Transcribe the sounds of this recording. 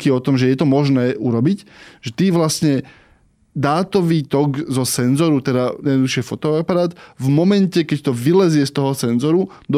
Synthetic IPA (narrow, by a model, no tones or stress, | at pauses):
kiɔt̪ɔmʒɛjɛt̪ɔmɔʒnɛːʔuɾɔbicʒ̥ɛt̪iːʋlasɲɛ | d̪aːt̪ɔʋiːt̪ɔɡzɔsɛnzɔɾut̪ɛd̪ajɛd̪nɔd̪uʃɪɛfɔt̪ɔapaɾaːd̪vmɔmɛncɛkɛct̪ɔʋilɛzɪɛst̪ɔɦɔsɛnzɔɾu | d̪